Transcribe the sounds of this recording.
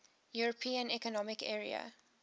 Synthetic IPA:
juɹəpʰĩːə̃nɛkɔnɔmɪkɛːɹḭə̰

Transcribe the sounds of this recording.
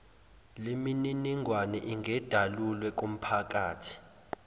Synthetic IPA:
limininiŋʱwanɛʔiŋʱɛd̥ʱalulwɛk̬um̩pʰak̬aːtʰi̥

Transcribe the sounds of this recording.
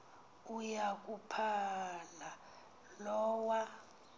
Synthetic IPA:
ujak̬ʼupʰala | lɔːwa

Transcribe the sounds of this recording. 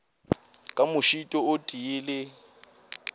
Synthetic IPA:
kʼamʊʃitʼɔʊdʼiɪlɪ

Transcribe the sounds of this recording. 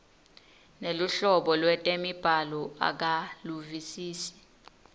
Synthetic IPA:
neluɬɔɓɔlwɛtʼemib̥ʱalɔa̰k̬aluvisiːsi̥

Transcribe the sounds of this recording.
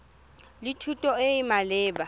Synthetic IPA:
litʰutʼɔeɪmalɪːba

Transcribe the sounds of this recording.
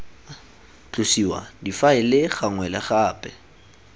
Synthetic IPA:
t͡ɬʼʊsiwa̰difaɪlɪχaŋwɛlaχaːpʼɛ

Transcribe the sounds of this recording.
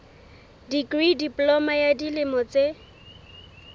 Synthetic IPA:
dikridipʼlɔmajadilɪmɔt͡se

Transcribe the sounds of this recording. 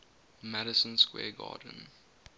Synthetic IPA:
mɛɾəsə̃nskwɛ̰ːɡɑ̰ːdə̃n̩

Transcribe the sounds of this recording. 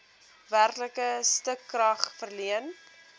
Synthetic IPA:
værkləkəstəkːrɐχfərliən

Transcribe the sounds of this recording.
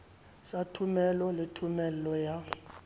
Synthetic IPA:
satʰumɛlɔletʰumɛlɔja

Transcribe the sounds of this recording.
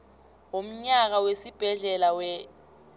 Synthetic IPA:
om̩ɲak̬awesib̥ʱɛɮɛlawɛ

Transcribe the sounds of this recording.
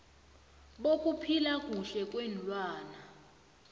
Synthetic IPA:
ɓokʼupʰilakʼuɬɛkʼwɛnlʼwaːna

